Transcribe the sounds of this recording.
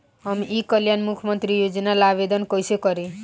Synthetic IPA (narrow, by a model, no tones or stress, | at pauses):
ɦʌmiʔikʌljanmukʰmʌnt̪ɾijod͡zʌnalabed̪ʌnkʌjsekʌɾẽ